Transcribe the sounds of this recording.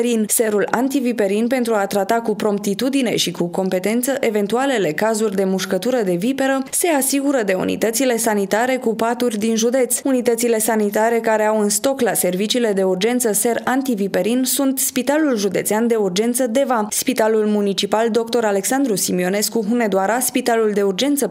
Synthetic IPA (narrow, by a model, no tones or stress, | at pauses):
ɾinse̞ɾulant̪ivipe̞ɾinpe̞nt̪ɾuat̪ɾat̪akupɾo̞mpt̪it̪ud̪ine̞̰ʃikuko̞mpe̞t̪e̞nt̪səʔe̞ve̞nt̪uale̞le̞kazurʲd̪e̞muʃkət̪uɾəd̪e̞vipe̞ɾəse̞asiɡuɾəd̪e̞ṵnḭt̪ət̪sile̞sanit̪aɾe̞kupat̪urʲd̪inʒud̪e̞t̪sunit̪ət̪sile̞sanit̪aɾe̞kaɾe̞awɨnst̪o̞klase̞rvit͡ʃiːle̞d̪e̞urd͡ʒe̞nt̪səse̞rant̪ivipe̞ɾinsunt̪spit̪alulʒud̪e̞̰t̪seand̪e̞urd͡ʒe̞nt̪səd̪e̞vaspit̪alulmunit͡ʃipald̪o̞kt̪o̞ɾale̞ksand̪ɾusimio̞ne̞skuɦune̞d̪oaɾaspit̪aluld̪e̞urd͡ʒe̞nt̪sə